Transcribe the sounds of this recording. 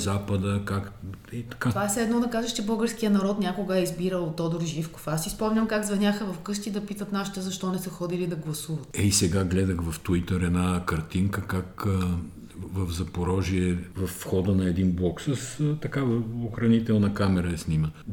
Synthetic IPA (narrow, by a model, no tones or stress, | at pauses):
zapəd̪əkakit̪ɐ̥kaasɛd̪nɔd̪ɐkaʒɐʃt͡ʃɛbɤlˠɡəɾsk̟ijənɐɾɔt̪nʲakoɡəɛizbiɾəlˠot̪ɔd̪oɾʒifko̥fasːispɔmnʲɐmkaɡzvɐnʲaxəvɐfkɤʃt̪ʲid̪ɐpit̪ət̪naʃi̥t̪ɛzɐʃt̪ɔnɛsəxɔd̪ilid̪ɐɡlˠɐsuvɐt̪ɛisɛɡaɡlɛd̪əxvɐft̪uit̪əɾɛd̪nakɐɾt̪iŋkəkak | vɐvzɐpoɾɔʒiɛvɐfːxɔd̪ənɐɛd̪inblˠɔksəst̪ɐkavɐoxɾɐnit̪ɛlˠnɐkamɛɾɐɛsnimə